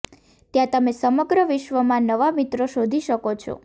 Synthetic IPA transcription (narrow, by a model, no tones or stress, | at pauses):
t̪jãt̪əmesəməɡɾəʋɪʃʋəmãnəʋamit̪ɾoʃod̪ʱiʃəkot͡ʃʰo̰